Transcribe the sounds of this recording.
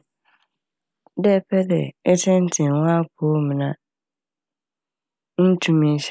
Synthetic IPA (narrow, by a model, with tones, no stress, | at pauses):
dɛ˦˨pʰɛ˦dɛ̰˨ɛ˦tʰɛ̃˦n̩˦tʰɪ̃˨nwã˦kʰoː˦mĩ˨nã˨ | n̩˦tʰũ˦mĩ˦ɕ